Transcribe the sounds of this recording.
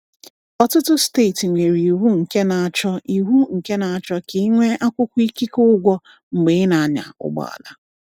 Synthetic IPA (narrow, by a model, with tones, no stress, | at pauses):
ɔ˦tʊ˦tʊ˦ste˦˨tŋʷe˨ɾi˨i˨ɦu˦ŋ̩˨ke˦na˨a˨t͡ʃɔ˦ʔi˨ɦu˦ŋ̩˨ke˦na˨a˨t͡ʃɔ˦ke˨i˦ŋʷe˦ʔa˦kʷʊ˦kʷʊ˦i˦ki˦kʊ˦ɡʷɔ˦ | ŋ͡m̩˨ɡ͡be˨˦na˨a˨ɲa̰˨ʊ̰˦ɡ͡bɔ̰˨a̰˨la˦